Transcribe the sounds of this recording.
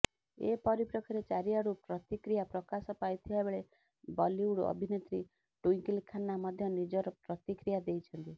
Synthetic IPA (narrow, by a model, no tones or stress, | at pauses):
ḛpɔɾipɾɔkʰiɾet͡ʃaɾijaɾupɾɔt̪ikɾijapɾɔkasɔpajt̪ʰibaebeɭe | bɔliuɽɔ̰bʱinet̪ɾi | ʈuiŋkilkʰanːamɔd̪ʱjɔnid͡ʒɔɾɔpɾɔt̪ikɾijad̪ejt͡ʃʰɔnt̪i